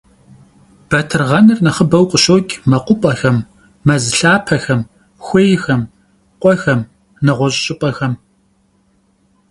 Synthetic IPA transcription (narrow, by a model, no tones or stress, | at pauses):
b̥ɐtʰɨrʁɐnɨrnɐχəbɐwqʷʼʊɕoːkʲʼmɐqʷʊpʼɐxɐmː | ɐzɨɬaːpʰɐxɐm | xʷejxɐm | qʷʼɔxɐm | nɐʁʷɔɕʼɕʼɪpʼɐxɐm